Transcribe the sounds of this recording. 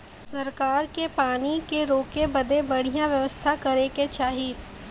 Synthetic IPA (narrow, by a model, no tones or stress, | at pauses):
sɐɾkaːɾkepaːnikeɾoːkebɐd̪ebɐɽ̤ijãʋjɐʋəst̪ʰakɐɾeket͡ʃaːɦi